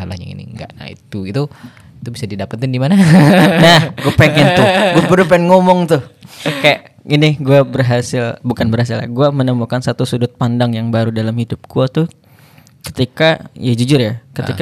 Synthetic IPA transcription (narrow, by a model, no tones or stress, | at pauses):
ala̰hɲa̰ḭnḭŋɡa̰ʔna̰hḭt̪uɡit̪u | it̪ubisadidapət̪ɪndimananahɡuapeŋɪnt̪ʊɡuabəɾupɛnŋomɔŋt̪ʊhkajaʔ | inɪɡuabərɦasɪlbukanbərɦas̬ɪla̰ɡuamənəmukansat̪usudʊt̪̚pandaŋjaŋbaɾudalamhidʊp̚ɡ̥uat̪ʊ | kə̥t̪ikajad͡ʒud͡ʒʊrjakət̪ika